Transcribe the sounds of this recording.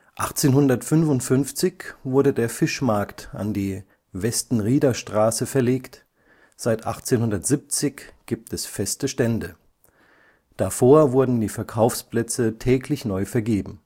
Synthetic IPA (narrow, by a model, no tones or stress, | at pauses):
ʔaχt͡seːnhʊndɐtfʏnvʊntfʏnft͡sɪçv̥ʊɐdədeːɐfɪʃmaɐktʔa̰ndiː | vɛstn̩ʁiːdɐʃtʁ̥aːsəfɛɐleːkt | z̥aɪtʔa̰χt͡seːnhʊndɐtz̥ip̚t͡sɪçɡ̥iːp̚tɛsfɛstəʃtɛndə | d̥afoːɐvʊɐdn̩diːfɛɐkʰaʊfsplɛt͡sətʰɛːkʰlɪçnɔʏfɛɐɡeːbm̩